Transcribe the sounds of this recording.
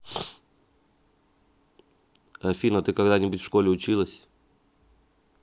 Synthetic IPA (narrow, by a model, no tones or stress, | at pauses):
ɐfʲinət̪ɨkɐɡd̪anʲɪbʊtʲfʂko̞lʲɪʊt͡ɕilˠəsʲ